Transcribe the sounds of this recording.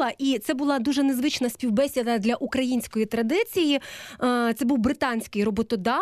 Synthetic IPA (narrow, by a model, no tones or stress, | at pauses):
ɐʔit̪sɛbʊlˠɑd̪uʒɛnezʋɪt͡ʃnɐsʲpʲiwbɛsʲɐd̪ɐd̪lʲɐʔukɾɐjinʲsʲkɔjit̪ɾɐd̪ɪt͡sʲiji | t̪sɛbuwbɾɪt̪ɑnʲsʲkɪjrɔbɔt̪ɔd̪ɑ